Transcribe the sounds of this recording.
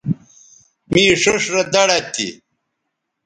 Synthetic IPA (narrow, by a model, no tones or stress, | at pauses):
miːʂoʂɾɐd̪ɐɽɐt̪ʰḭ